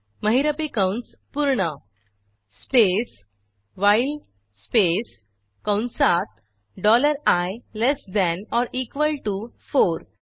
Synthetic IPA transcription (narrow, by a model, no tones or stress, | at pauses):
məɦiɾəpikãwɳs | puɾɳə | spes | ʋajl | spes | kãwnsat̪̚ | ɖɔləɾajlesd̪ɛ̃nɔɾʔikʋəlʈufoɾ